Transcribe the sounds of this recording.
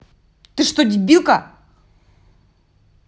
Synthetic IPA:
t̪ɨʂt̪odʲibʲilˠkɐ

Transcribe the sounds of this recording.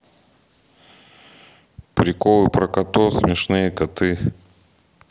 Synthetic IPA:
pɾʲɪkolˠɨpɾɐkɐt̪osmʲɪʂnɨjəkɐt̪ɨ

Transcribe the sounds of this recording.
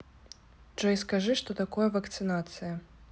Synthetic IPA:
ʐɛjskaʐɨʂt̪ɔt̪akɔjɐvɐkt̪sɨnat̪sɨjɐ

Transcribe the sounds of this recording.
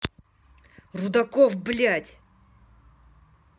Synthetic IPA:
rud̪akovblʲatʲ

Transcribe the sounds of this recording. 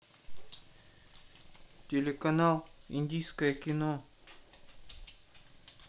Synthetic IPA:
tʲelʲekɐnalˠḭnʲd̪ʲijskəjəkʲino

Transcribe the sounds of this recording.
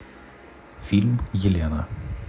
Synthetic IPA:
fɪlmjɪleːna̰

